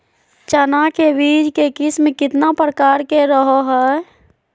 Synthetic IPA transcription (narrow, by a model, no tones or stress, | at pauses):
t͡ʃənakebid͡ʒkekismekɪt̪napɾəkaɾkeɾəɦoɦɛ